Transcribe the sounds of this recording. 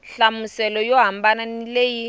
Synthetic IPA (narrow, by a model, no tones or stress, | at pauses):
ɬamusɛlɔjɔɦambananileji